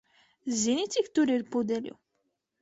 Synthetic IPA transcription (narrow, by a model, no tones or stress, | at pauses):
zinit͡sikt̪uɾilpud̪ɛlḭ